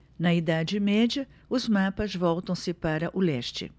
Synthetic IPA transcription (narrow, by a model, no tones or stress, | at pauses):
nɐid̪ad͡ʒɪmɛd͡ʒɐ | ʊzmapɐzvɔwt̪ɐ̃w̃sɪpaɾɐʔʊlɛʃt͡ʃɪ̰